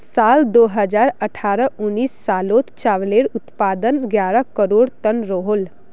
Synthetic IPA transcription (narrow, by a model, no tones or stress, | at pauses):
saːld̪oːɦəd͡ʒaːɾəʈʰaːɾəʊnːiːsːaːloːt̪t͡ʃaːʋleːɽʊt̪paːd̪ənɡjaːɾəkəɾoːɽt̪ənɾoɦol